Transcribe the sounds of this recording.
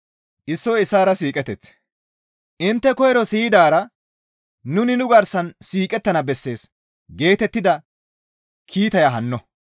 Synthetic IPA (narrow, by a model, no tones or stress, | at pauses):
ʔɪsːɔɪsːaːɾɐsiːkʼɛt̪ɛt͡s | ʔɪnt̪ːɛkɔjɛɾɔsijd̪aːɾɐ | nʊnɪnʊɡɐɾsɐnsiːkʼɛt̪ːɐnɐbɛsːe̞ːs | ɡe̞ːt̪ɛt̪ːɪd̪ɐ | kʰiːt̪ɐjɐɦɐnːɔ